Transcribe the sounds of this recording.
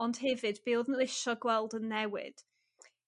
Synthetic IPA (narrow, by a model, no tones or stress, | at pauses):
ɔnd̥ɦɪvɨdbɪːwˠðnlɪʃɔɡwɛlˠdənːɛwɪ̰d̥